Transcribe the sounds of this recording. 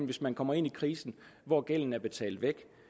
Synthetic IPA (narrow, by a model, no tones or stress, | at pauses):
ʋe̝smænkʰɒ̽m̰ɐe̝n̰ikʰʁiːsn̩ʋɒɡ̥el̰n̩æɐb̥e̝t͡sʰɛ̰ːld̥ʋeɡ̥